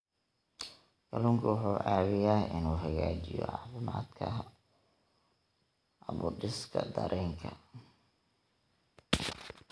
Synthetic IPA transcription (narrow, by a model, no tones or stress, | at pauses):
ɡɐlʊŋkʰʊwħuːʕʔaːβɪjaːʔɪnuːɦɐɣaːt͡ʃɪjɔ̰ʕɑ̰ːfɪmaːd̪kʰɐ | ʔɐβʊɖɪskʰɐd̪ɐɾʔɛːŋkʰɐ